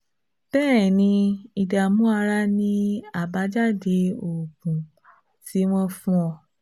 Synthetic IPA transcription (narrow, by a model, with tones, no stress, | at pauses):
b̥ɛː˦˨nĩ˧i˧da˨mũ˦a˧ɾa˦nĩ˦a˦˨ba˨˦d͡ʒa˦˨de˨˦o˨ɡũ˨ | ti˨˦w̃ɔ̃˦fũ˦ɔ˧˨